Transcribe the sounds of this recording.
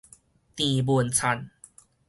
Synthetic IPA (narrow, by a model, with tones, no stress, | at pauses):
t̪ĩ˨˩bu˧ənt͡sʰa˧˩n